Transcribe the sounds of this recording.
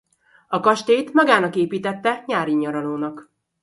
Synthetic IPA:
ɒkɒʃt̪eːt̪mɒɡaːnɒkeːpiːt̪ɛt̪ːɛɲaːɾiɲːɒɾɒloːnɒk

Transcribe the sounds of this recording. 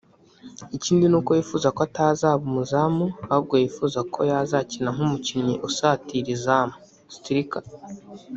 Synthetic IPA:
iciːndinuːko̞jifuːzakoatazaːβumuzamuahub̚ɡojifuzakʰo̞jazacinaŋ̥umuciɲɲiʔusaːtiɾizamo | si̥tiɾikḁ

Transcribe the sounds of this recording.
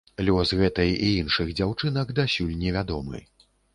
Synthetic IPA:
lʲɔsɣɛt̪ɐjiinʂɨɣd͡zʲawt͡ʂɨnɐɡd̪asʲulʲnʲɛvʲad̪ɔmɨ̰

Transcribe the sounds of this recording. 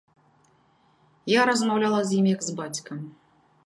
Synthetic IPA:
jaɾɐzmawlʲalˠɐzʲjimʲjɐɡzbat͡sʲkɐm

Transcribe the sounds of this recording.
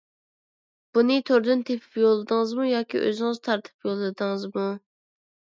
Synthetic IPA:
b̥unɨt̪ʰøɾd̪ynt̪ʰepʰy̥pjolˠɨd̪ɨŋɨzmujɑːkʲʰḭʔø̰zɪŋɨzt̪ʰɑɾt̪ʰɨ̥pjolˠɨd̪ɨŋɨzmu

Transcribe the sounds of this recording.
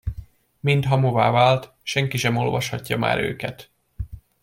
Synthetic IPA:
mint̪ɦɒmovaːvaːlt̪ | ʃɛŋkiʃɛmo̞lvɒʃhɒcːɒma̰ːɾø̰ːkɛt̪

